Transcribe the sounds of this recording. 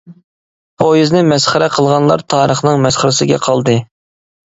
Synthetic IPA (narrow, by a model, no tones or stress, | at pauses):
pʰojiznɪmɛsχəɾɛqʰəlˠʁɑnlˠɑ̰ɾt̪ʰɑːɾəχnɨŋmɛsχəɾɪsɪɡʲɛ̰qʰɑlˠd̪ɨ